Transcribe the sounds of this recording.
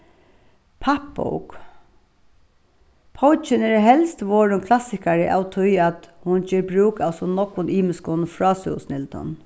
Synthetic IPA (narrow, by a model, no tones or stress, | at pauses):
pʰapːɔ̰wk | pʰɔwt͡ʃɪnɛɾɦɛlst̪ʋoːɹʊŋkʰlasɪkaɹɪʔa̰wt̪ʰʊjat̪hʊnd͡ʒeːɾbɾuːkasɔnɔkʋʊniːmɪskʊnfɹɑːsɛ̰snɪlt̪ɔ̰n